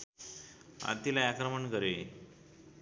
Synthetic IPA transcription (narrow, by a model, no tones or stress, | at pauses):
a̰t̪ilaakɾəməɳkəɾe